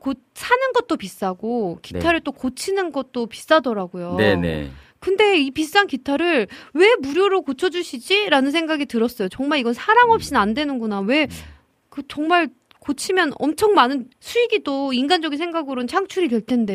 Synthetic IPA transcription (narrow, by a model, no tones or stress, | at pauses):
ko | s͈ʰanɯnɡʌt̚t͈opis͈aɡoki̥tʰaɾɯɭt͈okot͡ɕʰinɯnɡʌt̚t͈opi̥s͈adʌɾaɡojonnḛ | kɯnde̞ipis͈ankitʰaɾɯɭwe̞muɾjoɾokot͡ɕʰʌd͡ʑuɕʰid͡ʑiɾanɯns̬ʰeŋɡaɡitɯɾʌs͈ʌjot͡ɕʌŋmaɭiɡʌnsʰaɾaŋʌp̚ɕ͈inandwe̞nɯnɡunawe̞ | kɯt͡ɕʌŋmaɭ | kot͡ɕʰimjʌnʌ̰mt͡ɕʰʌŋmanɯnsʰuiɡidoinɡand͡ʑʌɡinsʰeŋɡaɡɯɾot͡ɕʰaŋt͡ɕʰuɾikjʌɭtʰe̞nde̞